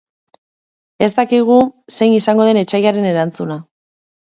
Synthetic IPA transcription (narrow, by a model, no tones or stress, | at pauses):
e̞st̪akiɣ̞use̞jnisaŋɡo̞ð̞e̞ne̞t͡ʃajaɾe̞ne̞ɾant͡suna